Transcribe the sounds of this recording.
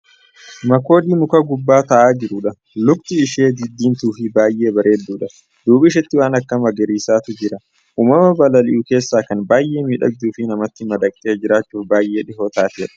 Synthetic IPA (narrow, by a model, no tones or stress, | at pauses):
mɐko̞ːd̪iːmʊkɐɡʊbːaːt̪ɐʔaːd͡ʒɪɾʊᶑɐ | lʊb̚t̪ɪːʃe̞ːd̪ɪd̪ːiːnt̪uːfɪbaːjʔe̞ːbɐɾʔe̞ːd̪ːuːᶑɐ | d̪̥uːbɪːʃ̬ɛt̪ːɪwaːnɐkːɐmɐɡɛɾiːsaːt̪ʊd͡ʒɪɾɐ | ʔuːmɐmɐbɐlɐlɪʔʊke̞ːsːaːkɐnbaːjʔe̞ːmiːᶑɐ̰d͡ʒuːfɪnɐmɐt̪ːɪmɐd̪ɐkʼt̪ʼeːd͡ʒɪɾaːt͡ʃːuːfbaːjʔːe̞ːᶑɪɦo̞ːt̪aːt̪ɪɛᶑɐ̥